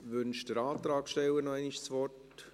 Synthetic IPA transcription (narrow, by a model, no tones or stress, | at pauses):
ʋʏnʃd̥əɾɑːt̪ɾɑːkʃtɛwənɔɛɪniʃt͡sʋɔrt